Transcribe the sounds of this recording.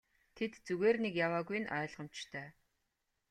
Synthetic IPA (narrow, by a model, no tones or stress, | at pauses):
t̪ʰet̪t͡suɣeːrnekjawaːɣuj̆nœːɮʁə̆m̥t͡ɕt̪ʰœː